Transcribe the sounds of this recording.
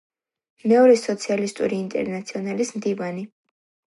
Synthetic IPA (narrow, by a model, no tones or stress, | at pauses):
mɛɔɾɛsɔt̪sʰialist̪ʼṵɾiːnt̪ʼɛ̰ɾnat̪sʰiɔnalismd̪ivani